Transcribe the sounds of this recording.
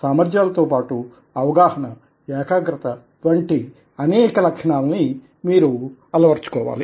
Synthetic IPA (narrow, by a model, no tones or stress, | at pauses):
saːmɐɾd͡ʒjaːlɐt̪oːpaːʈu | ɐʋɐɡaːhɐnɐ | ɛːkaːɡɾɐt̪ɐ | ʋɐɳʈi | ɐnɛːkɐlɐkʂɐɳaːlɐni | miːɾuɐlɐʋɐɾt͡ʃu̥kɔːʋa̰ːli